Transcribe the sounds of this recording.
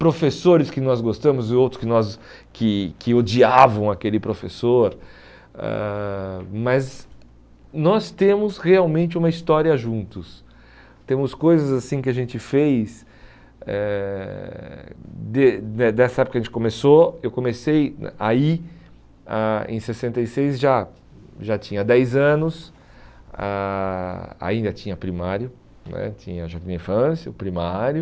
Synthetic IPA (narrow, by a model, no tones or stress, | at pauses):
pɾofesoɾɪskɪnɔzɡost̪ɐ̃mʊzɪowt̪ɾʊ̥skɪnɔs | kɪkʰɪod͡ʒiavɐ̃w̃akelɪpɾofḛsoɾ | ɛ̰ | mɐz | nɔst̪ẽmʊsheawmẽnt͡ʃɪũmɐist̪ɔɾiɐʒũnt̪ʊs | t̪ẽmʊskojzɐzasĩkɪaʒẽnt͡ʃɪfejs | ɛ | d̪eɛd̪ɛsɐɛpʊkɐʒẽnt͡ʃɪ̥komesoewkõmesejai | aḛ̃sesẽnt̪ejsejzʒa | ʒat͡ʃĩɲɐd̪ɛjzɐ̃nʊs | a | a̰ĩnd̪ɐt͡ʃĩɲɐpɾimaɾjʊ | nɛ̰t͡ʃĩɲɐʒakĩnĩfɐ̃sjɐʊpɾimaɾjʊ